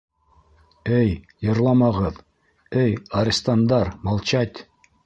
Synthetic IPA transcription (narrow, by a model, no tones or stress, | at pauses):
ɘj | jɤ̆ɾlˠɑmɑʁɤð | ɘjɐɾʲɪst̪and̪ɑɾmɑlˠt͡ɕɑt̪ʲ